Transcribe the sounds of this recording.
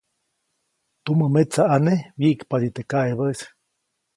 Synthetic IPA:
t̪uməmet͡saanewjiʔkpad̪it̪ekaeβəs

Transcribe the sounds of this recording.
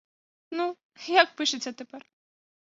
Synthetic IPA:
nu | jak̚pɨʂɨt͡sʲɐt̪ɛpɛr

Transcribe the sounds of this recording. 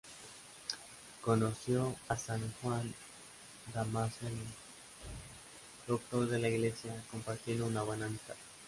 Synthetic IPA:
ko̞no̞sjo̞asaŋxwan | d̪amasel | d̪ok̚t̪o̞ɾðe̞laiɣle̞sjako̞mpaɾt̪jend̪ounaβenant̪a

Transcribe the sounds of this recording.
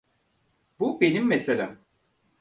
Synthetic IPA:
bubenimːeselʲæm

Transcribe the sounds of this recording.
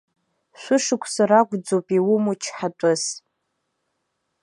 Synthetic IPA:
ʃʷʊʂɨkʷʰsaraɡʷʼd͡zowpʼiwʊmut͡ʃʰħatʷʼʊz

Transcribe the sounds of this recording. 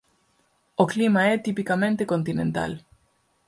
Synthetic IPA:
oklimaet̪ipikamẽnt̪ekont̪inẽnt̪a̰l

